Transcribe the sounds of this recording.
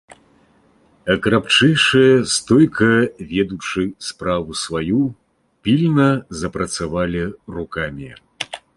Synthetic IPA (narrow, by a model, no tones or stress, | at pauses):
ɐkɾapt͡ʂɛjʂɨjɐst̪ɔjkʰɐvʲɛd̪ut͡ʂɨspɾavusvaju | pʲilʲnɐzɐpɾɐt̪savalʲirukamʲi